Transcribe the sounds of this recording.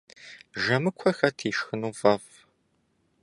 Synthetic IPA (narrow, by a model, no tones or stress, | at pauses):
ʒɐmɨkʷʰɔxɐtʰiːʃxɨnuːvɐf